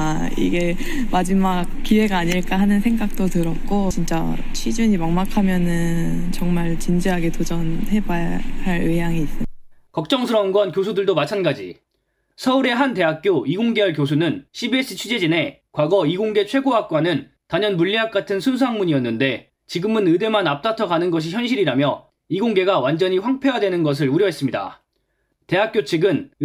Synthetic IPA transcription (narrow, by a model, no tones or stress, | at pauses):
ḭɡe | mad͡ʑimakk͈ːiwe̞ɡaːɲiɭk͈aɦanɯnsʰe̞ŋɡak̚t͈otɯɾʌk͈ot͡ɕint͡ɕ͈a | t͡ɕʰid͡ʑuɲimʌŋmakʰamjʌnɯnt͡ɕʌŋmaɭt͡ɕind͡ʑiɦaɡe̞tod͡ʑʌnɦe̞bahaɾejaŋiːs͈ɯkʌk̚t͡ɕ͈ʌŋsʰɯɾʌnɡwʌnkjosʰudɯɭdomat͡ɕʰanɡad͡ʑḭ | sʰʌuɾe̞ɦante̞ɦak̚k͈joiɡoŋɡe̞aɭk̬jos̬ʰunɯnɕʰibie̞s͈ɯt͡ɕʰud͡ʑe̞d͡ʑine̞kwaɡʌiɡoŋɡe̞t͡ɕʰwe̞ɡoak̚k͈wanɯn | taɲʌnmuʎːiɦak͈̚atʰɯnsʰuns̬ʰaŋmuɲiʌnːɯnde̞ | t͡ɕiɡɯmɯnɯde̞manap̚t͈atʰʌɡanɯnɡʌɕ̬içjʌnɕʰiɾiɾamjʌ | iɡoŋɡe̞ɡawand͡ʑʌɲiɸwaŋpʰe̞wadwe̞nɯnɡʌs̬ʰɯɾuɾjʌɦe̞s͈ɯmɲida̰ | te̞ɦak͈̚jot͡ɕʰiɡɯn